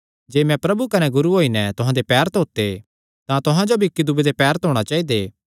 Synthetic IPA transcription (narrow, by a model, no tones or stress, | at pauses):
d͡ʒeːmɛ̃pɾɐbukɐnɛɡʊɾuɦoːinɛt̪ʊɦãd̪epɛːɾət̪ɦoːt̪e | t̪ãt̪ʊɦãd͡ʒobʱikːid̪ubed̪epɛːɾət̪ɦoːɽ̃at͡ʃaːid̪eː